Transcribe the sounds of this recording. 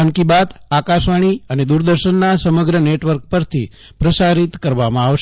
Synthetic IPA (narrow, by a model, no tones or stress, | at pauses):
əŋkibat̪akaʃʋaɽ̃iəned̪uɾd̪əɾʃənːasəməɡɾəneʈʋəɾk̚pəɾt̪ʰi | pɾəsaɾit̪kəɾʋamãaʋʃ